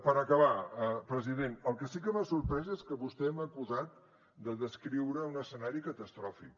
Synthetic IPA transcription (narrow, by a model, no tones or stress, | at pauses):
pəɾəkəβaəpɾəziðenəlˠkəsikəβasuɾpɾɛzəeskəβust̪ɛɛməkuzat̪̚ | d̪əðəskɾiwɾəunəsənaɾikət̪əst̪ɾɔfḭk̚